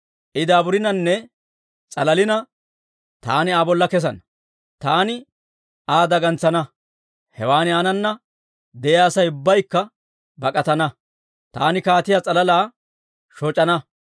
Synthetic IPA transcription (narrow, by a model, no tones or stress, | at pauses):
ʔɪd̪aːbʊɾɪnɐnːɛ | t͡sʼɐlɐlɪnɐ | t̪aːnɪaːbɔlːɐkɛs̬ɐ̰nɐ | t̪aːnɪ | aːd̪ɐɡɐnt͡sːɐnɐ | hɛwaːnɪaːnɐnːɐ | d̪ɛjaːsɐjʊbːɐjkːɐ | bɐkʼɐt̪ɐnɐ | t̪aːnɪkaːt̪ɪjaːt͡sʼɐlɐlaː | ʃɔt͡ʃʼːɐnɐ